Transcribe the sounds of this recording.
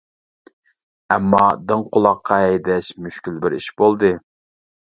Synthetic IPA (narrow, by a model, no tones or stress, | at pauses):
ɛmːɑd̪ɨŋqʰʊlˠɑqʰːɑɛjd̪ɛʃmyʃkʲylbɪɾḭʃbolˠd̪ɨ